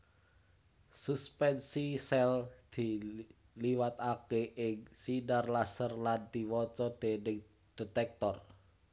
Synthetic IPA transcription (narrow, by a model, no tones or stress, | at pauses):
suspɛnsisɛld̪̥i̤ | liwat̪akeʔɪŋsinarlasərlant̪i̤wɔt͡ʃɔd̪̥e̤nɪŋ | d̪̥e̤t̪ɛk̚t̪ɔr